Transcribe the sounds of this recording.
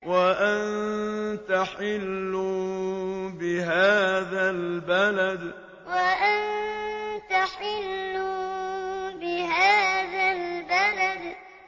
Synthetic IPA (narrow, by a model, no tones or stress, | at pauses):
waʔant̪aħɪlːu | bɪɦaːðalbalad̪ | waʔan | t̪aħɪlːu | bɪɦaːðalbalad̪